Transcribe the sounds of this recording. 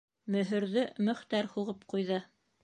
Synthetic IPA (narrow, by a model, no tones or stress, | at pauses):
mɵ̆ɦɵ̆ɾðɵmɵ̆χt̪æɾhuʁɤpqujðɤ